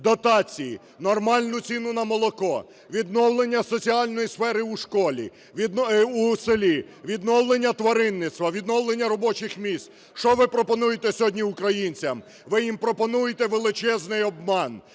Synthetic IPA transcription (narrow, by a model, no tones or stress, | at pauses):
d̪ɔt̪ɑt͡sʲiji | nɔrmɑlʲnʊt͡sʲinʊnɐmɔlˠɔkɔ | ʋʲid̪nɔwlˠenʲːɐsɔt͡sʲiɑlʲnɔjisfɛɾɪuʃkɔlʲḭ | ʋʲd̪uselʲi | ʋʲid̪nɔwlˠenʲːɐt̪ʋɐɾɪnːɪt̪st̪ʋɐʋʲid̪nɔwlˠenʲːɐɾɔbɔt͡ʃɪxmʲist̪ | ʃt͡ʃɔʋɪpɾɔpɔnujet̪ɛsʲɔɦɔdʲnʲiukɾɐjinʲt͡sʲɐm | ʋɪjimpɾɔpɔnujet̪ɛʋelˠɪt͡ʃɛznɪjɔbmɑn